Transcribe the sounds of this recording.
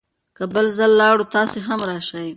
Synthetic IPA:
kəbəlzəlːɑɽut̪ɑseɦamɾɑʃaj

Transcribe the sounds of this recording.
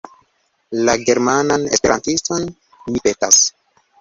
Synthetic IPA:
laɡe̞ɾmananespe̞ɾʔantiston | mipe̞tas

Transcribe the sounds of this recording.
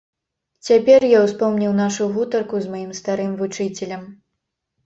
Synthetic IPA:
t͡sʲapʲɛrjawspɔwnʲiwnaʂuvut̪ɐrkuzmajimst̪aɾɨmvut͡ʂɨt͡sʲɛlʲɐm

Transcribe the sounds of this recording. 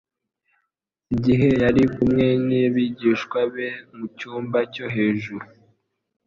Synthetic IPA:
iɟiɦe̞jaɾikumŋe̞niβiɟiːʃkwaβe̞mucuːmbaco̞ɦe̞ːʒuɾu

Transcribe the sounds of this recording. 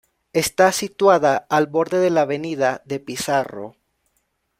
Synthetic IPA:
e̞st̪asit̪waðaːlbo̞ɾðe̞ðelaβe̞niðaðe̞pisaro̰

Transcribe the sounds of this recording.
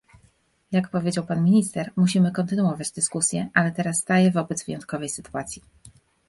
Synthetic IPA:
jakpɔvʲjed͡ʑawpanmʲiɲist̪ɛɾmuɕimɘkɔnt̪ɘnuɔvad͡ʑd̪ɘskusʲjɛʔalɛt̪ɛɾasːt̪ajɛvɔbɛd̪zvɘjɔnt̪̚kɔvɛjsɘt̪uat̪sʲji

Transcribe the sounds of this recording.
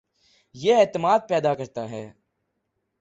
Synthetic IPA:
jeeːt̪ɪmaːd̪̚pɛːd̪akɐɾt̪aɦɛː

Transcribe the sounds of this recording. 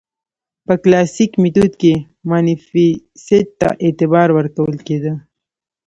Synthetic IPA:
pəklɑsikmit̪ud̪ke | mɑnifi | sed̪̚t̪ːa̰ʔet̪ɪbɑɾwəɾkawəlked̪ə

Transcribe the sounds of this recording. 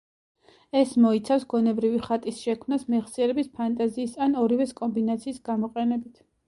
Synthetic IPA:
ɛsmɔit̪sʰafsɡ̥ɔnɛbɾiviχat̪ʼisʃɛkʰmnasmɛʁsiɛɾɛbispʰant̪ʼaziːsanɔɾivɛskʼɔmbinat̪sʰiːsɡ̥amɔqʼɛnɛbit̪ʰ

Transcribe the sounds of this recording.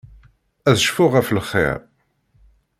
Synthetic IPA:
æðʃfʊʁæflχːɪ̰ɾ

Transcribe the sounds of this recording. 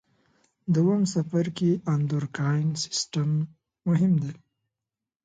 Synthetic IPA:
d̪əwamsafaɾkeand̪uɾkajnsɪ̥sʈamː | ʊɦɪmd̪e

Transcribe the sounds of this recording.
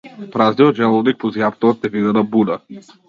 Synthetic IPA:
pɾazniɔt̪ʒɛlˠɔnik̚pɔziapt̪ɔat̪ɛvid̪ad̪abud̪a

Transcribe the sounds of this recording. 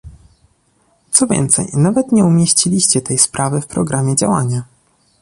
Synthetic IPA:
t̪sɔvʲjɛ̰nt̪sɛ̰jnavɛt̪ɲɛumʲjeɕt͡ɕilʲiɕt͡ɕɛt̪ɛjspɾʔavɘfpɾɔɡɾʔamʲjɛd͡ʑa̰waɲa

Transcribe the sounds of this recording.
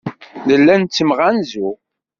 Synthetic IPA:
ləlːænt͡sːəmʁænzu

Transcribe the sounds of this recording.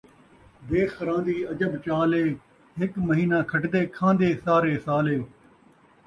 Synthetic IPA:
d̪eːxɾãːnd̪iːɐd͡ʒəbt͡ʃaːleː | ɦɪkməɦiːnaːkʰəʈd̪eːkʰãːnd̪eːsaːɾeːsaːleː

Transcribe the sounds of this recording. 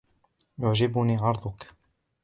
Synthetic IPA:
jʊʕd͡ʒɪbʊniːʕɑɾˤd̪ˤʊk

